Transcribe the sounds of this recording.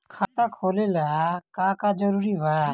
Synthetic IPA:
kʰat̪akʰolelakakad͡ʒəɾuɾibaa

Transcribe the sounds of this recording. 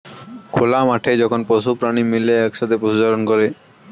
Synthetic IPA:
kʰolamaʈʰed͡ʑɔkʰonpɔʃupɾanimileɛkʃat̪ʰepɾoʃot͡ɕaɾonkɔɾe

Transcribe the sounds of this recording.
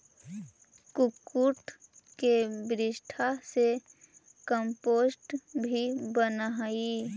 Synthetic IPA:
kʊkːuʈkebɾɪʃʈʰase | kəmpoːsʈbʱibənai

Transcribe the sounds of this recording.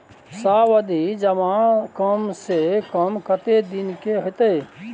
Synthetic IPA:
saːʋəd̪ʱid͡ʒɐmãkəmsekɐmkɐt̪ed̪ɪnkeɦɪt̪eː

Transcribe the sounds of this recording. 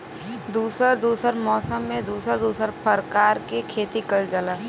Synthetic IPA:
d̪uːsəɾd̪uːsəɾmɔːsəmːẽd̪uːsəɾd̪uːsəɾpʰəɾkaːɾkekʰeːt̪ikəld͡ʒəla

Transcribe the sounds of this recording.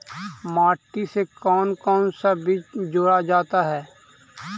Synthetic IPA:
maːʈːisekɔːnkɔːnsabʱid͡ʒoːɽad͡ʒaːt̪aɦɛː

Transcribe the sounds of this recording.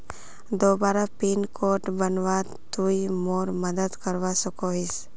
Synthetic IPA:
d̪oːbaːɾapinkʰoʈbənʋa | t̪uimoːɾməd̪əd̪kəɾʋasʊkoɦis

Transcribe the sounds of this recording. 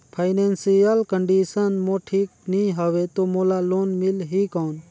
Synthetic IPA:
pʰajnensijəlkəɳɖiːsənmoːʈʰiːk̚niɦəʋet̪oːmoːlaloːnmɪlɦikɔːn

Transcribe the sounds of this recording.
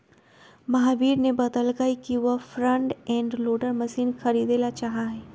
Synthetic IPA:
mɐɦaːʋiːɾnebɐd̪əlɡaikiʋəfɾə̃ɳʈɛ̃ːɳɖloːɖəɾmɐsiːnxɐɾiːd̪elat͡ʃaːɦaɦɛː

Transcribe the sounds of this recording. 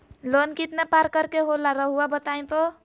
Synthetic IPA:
lonkit̪nepaɾkəɾkeɦolaɾəɦuabət̪aj̃t̪o

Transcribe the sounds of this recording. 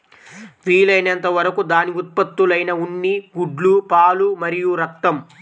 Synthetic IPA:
ʋiːlɐjnɐnt̪ɐʋɐɾɐkud̪aːniut̪̚pɐt̪ːulɐjnɐuɳːiɡuɖlupaːlumɐɾijuɾɐk̚t̪ɐm

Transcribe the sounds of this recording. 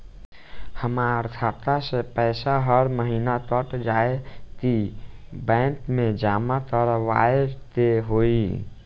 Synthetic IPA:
həmaəɾt̪ʰaːt̪asepɛɪsaɦəɾməɦiːnat̪ɔʈd͡ʒaːet̪ibɛ̃ːŋkmẽd͡ʒaːmat̪ɔɾʋa̰ːeɾt̪eɦoːi

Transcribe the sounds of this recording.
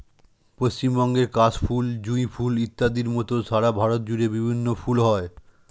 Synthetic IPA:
post͡ɕimbɔŋɡeɾkat͡ɕfʰuld͡ʑuifʰulit̪ːad̪iɾmɔt̪oʃaɾabʱaɾot̪̚d͡ʑuɾebibʱinːofulɦɔe

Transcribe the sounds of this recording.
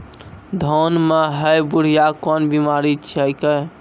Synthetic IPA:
d̪ʱonmeɦəjbuɽ̤ijakɔnbimaɾit͡ʃʰəjkə

